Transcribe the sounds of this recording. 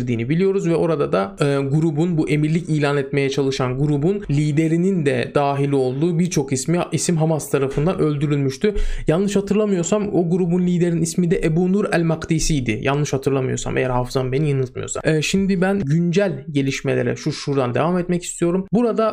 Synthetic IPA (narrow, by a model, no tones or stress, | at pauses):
ɾd̪iːnibilʲijo̞ɾuzvɛo̞ɾad̪ad̪aɡuɾubunbuʔe̞miɾlʲicijlʲaːnɛt̪me̞jɛt͡ʃʰalˠɯʃanɡuɾubunlʲiːd̪e̞ɾinind̪ɛd̪̥aːɦilʲio̞lˠd̪uːbiɾt͡ʃʰo̞kismiisimɦamast̪ʰaɾafɯnd̪anø̞lʲd̪yɾylʲmyʃt̪ʰyjanlˠɯʃhat̪ʰɯɾlˠamɯjo̞ɾsamoɡuɾubunlʲiːd̪e̞ɾinismid̪ɛʔebuːnuɾælʲmakd̪iːsijd̪ɪja̰llˠɯʃhat̪ʰɯɾlˠamɯjo̞̰sa̰mʔejæɾhafɯzanbe̞nijɯnɯlˠt̪̚mɯ̰jo̞̰sa̰mɛːʃimd̪ibænɟynd͡ʒælʲɟe̞lʲiʃme̞lʲe̞̰ɾɛ̰ʃuʃuɾd̪and̪e̞vamɛt̪mɛci̥st̪ʰijo̞ɾumbuɾad̪a